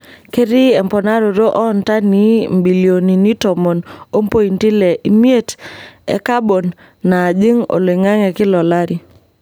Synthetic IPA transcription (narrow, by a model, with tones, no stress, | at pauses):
ke˦ɾi˦ɛ˨mpɔ˨na˦ɾo˨ɾo˦ʔɔ˦nta˦ni˦mbi˨li˨o˨ni˨ni˦tɔ˨mɔ˨no˦mpo˦ji˨nti˦lɛ˨ʔi˨m˦e˦tɛ̰˨ka˦bo˨nː | a˨d͡ʒi˦ŋo̰˨lɪ˨ŋa˦ŋɛ˨kɪ˦lɔ˨la˦ɾi˨